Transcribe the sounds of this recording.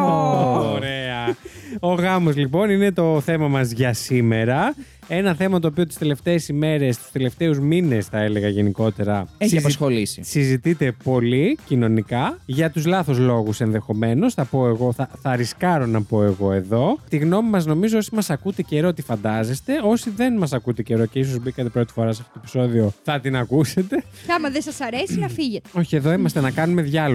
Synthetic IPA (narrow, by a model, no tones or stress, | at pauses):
ooɾeɐoɣɐmo̞zlipo̞nine̞t̪o̞θe̞mɐmɐzʝɐsime̞ɾɐ | e̞nɐθe̞mɐt̪oːpiot̪i̥st̪e̞le̞ft̪e̞ːsime̞ɾe̞st̪i̥st̪e̞le̞ft̪e̞uzmine̞sθɐe̞le̞ɣɐʝe̞niko̞t̪e̞ɾɐeçsɐzpɐsxolisḭsizit̪it̪e̞po̞licino̞nikɐʝɐt̪uzlɐθo̞zlo̞ɣuse̞nðe̞xo̞me̞no̞sθɐpo̞e̞ɣo̞θɐθɐɾiskɐɾo̞nɐpo̞e̞ɣo̞e̞ðo̞t̪iɣno̞mimɐzno̞mizoo̞simɐsɐkut̪e̞ce̞ɾo̞ot̪ifɐnd̪ɐze̞st̪e̞o̞siðe̞nmɐsɐkut̪e̞ce̞ɾo̞ce̞is̬o̞zbikɐt̪e̞pɾot̪i̥fo̞ɾɐsɐft̪ot̪opi̥so̞ðio̞θɐt̪inɐkuse̞t̪e̞ɐmɐðesɐsɐɾesinɐfiʝet̪eo̞çie̞ðo̞imɐst̪enɐkɐnume̞ðʝɐl